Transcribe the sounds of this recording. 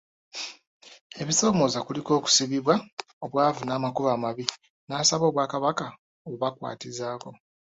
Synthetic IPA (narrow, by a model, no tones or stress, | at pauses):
e̞βiso̞ːmo̞ːzakuliko̞ːku̥siβiβwa | oβwaːvunaːmakuβaːmaβi | naːsaβo̞ːβwaːkaβaka | oβuβakwa̰ːtizaːko̞